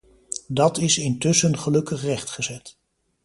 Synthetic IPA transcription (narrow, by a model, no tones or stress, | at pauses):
dɑtɪsɪntɵsənχəlɵkəχrɛχtχəzɛt